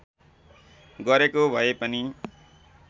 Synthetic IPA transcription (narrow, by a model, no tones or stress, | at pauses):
ɡʌɾekobʱʌepʌni